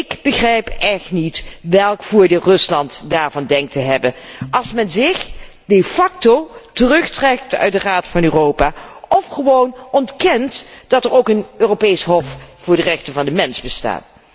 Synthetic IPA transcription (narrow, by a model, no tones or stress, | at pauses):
ɪɡb̥əχrɛjpɛχtnitʋɛlˠkfʊːɹdɪlˠrɵslɑntdaːɹvɑndɛŋk̚təɦɛbənʔɑlˠsmɛnzɪχ | d̥efɑk̚totərɵχtrɛk̚tœ̰ɥt̚dəraːtfɑnøːrowpaːɔfχəʋownɔntkɛntd̥ɑtəɹowkənøːropejsɦɔffʊːɹdərɛχtəvɑndəmɛnzbəsta̰ːt